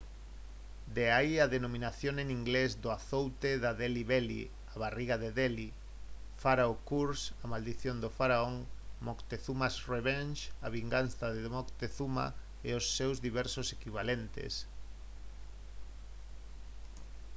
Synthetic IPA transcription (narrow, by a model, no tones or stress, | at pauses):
d̪eaiaðenomĩnaθjoŋeniŋɡlezd̪ʊaθowt̪eðaðeliβelḭ | aβariɣaðeðeli | faɾaʊkuɾsamald̪iθjond̪ofaɾaoŋmokt̪eθumasreβɛnʃaβiŋɡanθaðeðmokt̪eθuma̰ | eosːewzðiβɛɾsosekiβalent̪ḛs